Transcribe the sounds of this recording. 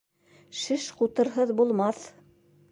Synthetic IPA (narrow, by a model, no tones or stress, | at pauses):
ʃɘʃqut̪ɤ̆ɾɦɤðbulˠmɑθ